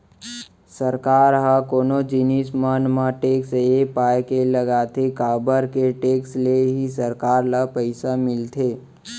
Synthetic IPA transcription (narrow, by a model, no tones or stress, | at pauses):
səɾkaːɾɦakoːnod͡ʒinismaːnmãʈeːksepaːekeləɡaːt̪ʰekaːbəɾkeʈeːksleɦisəɾkaːɾlapəɪsamɪlt̪ʰeː